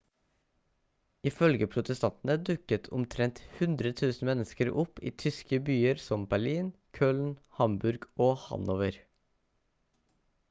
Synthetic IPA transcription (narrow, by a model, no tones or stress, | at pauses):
ɪfœlɡəpʰɾʊt̪əst̪ɑnt̪n̩əd̪ʉkət̪ʰʊ̰mt̪ʰɾɛnt̪hʉnd̪ɾət̪ʰʉːsn̩mɛnəskəɾʊpḭːt̪ʰʏskəbyːəɾsɔmbæɭiːnkʰøːln̩hɑmbʉɾɡʔoːhɑ̰noːʋəɾ